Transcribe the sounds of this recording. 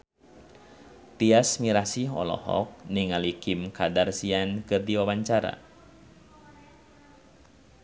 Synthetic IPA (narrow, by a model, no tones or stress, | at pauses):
t̪iasmiɾasiɦɔ̰lɔ̰hɔ̰k̚niŋalikimkadarsiankɨrdiwawaɲt͡ʃaɾa̰